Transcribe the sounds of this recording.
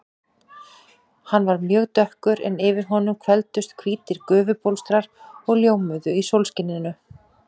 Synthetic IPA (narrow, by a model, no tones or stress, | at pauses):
hanːvaɾmjœːɣt̪œhkʏɾɛ̰nɪvɪɾ̥ɦɔnʏmkʰvɛlt̪ʏst̪kʰviːt̪ɪɾkœːvʏpowlst̪ɾaɾ̥ɔɣljowmʏðʏisowlscɪnːɪnːʏ